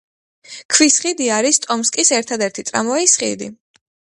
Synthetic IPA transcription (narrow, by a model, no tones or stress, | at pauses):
kʰwisχid̪iaɾist̪ʼɔmskʼisɛɾt̪ʰad̪ɛɾt̪ʰit̪sʼɾa̰mɔaisχḭd̪ḭ